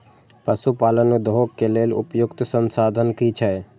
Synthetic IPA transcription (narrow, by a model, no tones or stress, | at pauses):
pəsupaːlənud̪ɦokːeleːlʊpjʊkt̪sənsaːd̪ʱənkit͡ʃʰɛ